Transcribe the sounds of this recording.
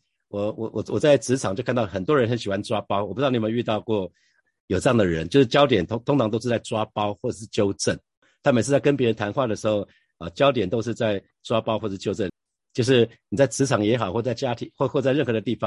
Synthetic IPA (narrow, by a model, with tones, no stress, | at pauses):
wɔ˨˩˦wɔ˨˩wɔ˨˩wɔ˨˩t͡sa˥˩ɪt͡sɹ̩˧˥t͡sʰɑ˨˩ŋt͡ɕjkʰa˥˧nt̪ɑ˥˩xə˨˩nt̪wɔ˥ɻə˧˥nxə˧˥nɕi˨˩wa˥nʈ͡ʂwa˦˥pɑ˥ʊwɔ˨˩pu˧˦˥ni˨˩mə˧˦ny˥˧t̪ɑ˥˧ʊkwɔ˥˩ | jo˨˩ʊʈ͡ʂɤ˥˧jɑ˥˩ŋd̪ə˩ɻə̰˦nt͡ɕjo˥˧ʊʂɻ̩˥˩t͡ɕjɑ˥ʊt̪̬jɛ˨˩nt̪ʰt̪ʰʊ˥ŋt͡sʰɑ˧ŋt̪o˥ʊʂ̩ɻ̩˥˧˩t͡sa˥˩ɪt͡swa˦˥pɑ˥ʊxwɔ˥˩ə˨˩ʂɻ̩˥˩t͡ɕjo˥ʊʈ͡ʂə˥˩n | t̪ʰa˥mə˨˩ʂ̬̩ʰ˥˧˩t͡sa˥˩ɪkə˥npjɛ˧˥ɻə˧˦nt̪ʰa˧˥nxwa˥˩d̪ə˩ʂɻ̩˧˥xo˥˧ʊ | ə˨t͡ɕjɑ˥ʊt̪jɛ˨˩nt̪o˥ʊʂ̬ɻ̩˥˧t͡sa˥˩ɪ | t͡swa˥pɑ˥ʊxɔ˥˩ə˩˥t͡ɕjo˥˧ʊə˥˩n | t͡ɕjo˥˧ʊʂ̬ɻ̩˥˩ | ni˨˩t͡sa˥˩ɪt͡sɹ̩ʰ˧˥ɑ˨˩ŋjɛ˧˥xɑ˨˩ʊxwɔ˥˧˩t͡sa˥˩ɪt͡ɕja˥t̪ʰi˨˩xwɔ˥˧xɔ˥˧t͡sa˥˧ɪɻə˥˩nxɤ˧˥d̪ə˧t̪i˥˩fɑ˨˦ŋ